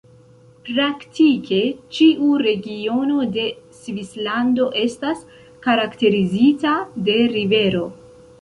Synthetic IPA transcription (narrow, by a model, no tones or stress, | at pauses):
pɾaktikʰe̞t͡ʃiʔuɾe̞ɡio̞no̞de̞svislando̞ʔe̞stas | kaɾakte̞ɾizitade̞ɾive̞ɾo̞